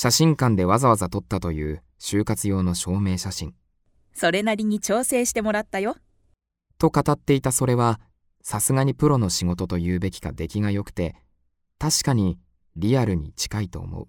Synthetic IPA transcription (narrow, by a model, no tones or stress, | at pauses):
ɕaɕĩŋkãnd̪e̞β̞azaβazat̪o̞t̪ːat̪o̞jɯ̟ː | ɕɨːkat͡sɨjo̞ːno̞ɕo̞ːme̞ːɕaɕĩŋ | so̞ɾe̞naɾʲiɲ̟it͡ɕo̞ːse̞ːɕi̥t̪e̞mo̞ɾat̪ːajo̞ | t̪o̞kat̪at̪ːe̞it̪aso̞ɾe̞βa | sasɨɡaɲ̟ipɯ̟ɾo̞no̞ɕiɡo̞t̪o̞t̪o̞jɯ̟ːbe̞kʲi̥ɡa̰d̪e̞kʲiɡajo̞kɯ̟̥t̪e̞ | t̪aɕi̥kaɲ̟i | ɾʲiaɾɯ̟ɲ̟ḭt͡ɕi̥kait̪o̞̰ːmo̰ɯ̟